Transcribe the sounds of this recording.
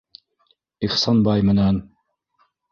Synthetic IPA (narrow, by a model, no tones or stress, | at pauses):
iχsɑnbɑjmɘ̆næn